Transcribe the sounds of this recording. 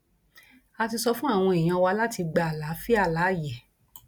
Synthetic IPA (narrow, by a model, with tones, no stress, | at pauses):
a˧ti˧sɔ˧fũ˦a˦˨w̃ɔ̃˧i˨j̃ã˧wa˧˦la˦ti˧ɡ͡ba˧a˨la˨˦fi˦a˦˧˨la˨˦˨jɛ˨